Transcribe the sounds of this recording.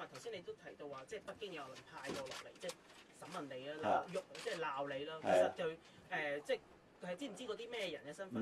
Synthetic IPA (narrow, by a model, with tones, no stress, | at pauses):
aː˨˩t̪ʰɐ˨˩wsiː˥ne˨˧jt̪o˥wt̪ʰɐ˨˥jt̪o˧waː˨t͡sɛː˥˩pɐ˥t̚kːɪ˥ŋjɐ˨˧wɔ˨˧lɐ˨˩ŋpʰaː˧jtɔː˧lɔ̰ː˨˩k̚le˨jt͡sɛː˥˩j | sɐ˨˧˥mɐ˨nle˨˧jlaː˥la˨˧jʊ˨k̚t͡sɛː˥˩jlaː˨wle˨˧jlɐː˥ke˨˩sɐ˨t̚kɵ˧ɥ | ɛː˨t͡sɛː˥˩ | kʰhjtt͡siː˥m̩˨˩t͡siː˥kɔ˨˧˥t̪iː˥mɛː˥jɛ˧jɐ̰˨˩nkɛ˧sɐ˥nfɐ˨˧n